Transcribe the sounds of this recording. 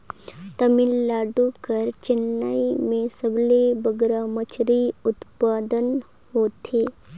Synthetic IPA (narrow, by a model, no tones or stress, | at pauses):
t̪əmɪlːaːɖukəɾt͡ʃɪnːa̰ːimẽsəblebəɡɾamət͡ʃʰɾiʊt̪paːd̪ən | hoːt̪ʰeː